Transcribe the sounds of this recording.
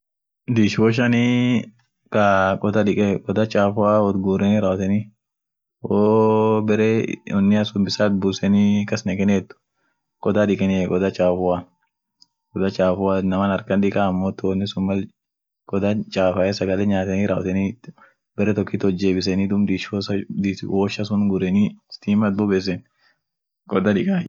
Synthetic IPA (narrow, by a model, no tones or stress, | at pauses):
d̪iːʃɔʃ̬ɐni | kɐkʼɔd̪ɐᶑɪkʼɛkʼɔd̪ɐt͡ʃʼaːfʊawɔt̪ɡuːɾɛnɪɾɐːwt̪ɛni | woːbɛɾɛɔnːɪɐsʊmbɪsaːt̪̚buːsɛnikɐsnɛkɛnɛt̪ːʊ̥ | kʼɔd̪aᶑɪkʼɛnɪɛkʼɔd̪ɐt͡ʃʼaːfʊwa | kɔd̪ɐt͡ʃʼaːfʊwanɐmɐnɐɾkɐnᶑ̪ɪkʼaɐmːoːt̪ɔnːɪsʊmːɐl | kʼɔd̪at͡ʃʼaːfɐʔɛsɐɡɐlɛɲaːt̪ɛniɾaːw̰t̪ɛni | bɛɾɛt̪ɔkːit̪ɔd͡ʒːeːbɪsɛnid̪ʊmd̪iʃosd̪itwʔoʃɐsʊnɡʊɾɛnist̪iːmɐt̪̚bʊbeːs̬ɛn | kʼɔd̪aᶑɪkʼa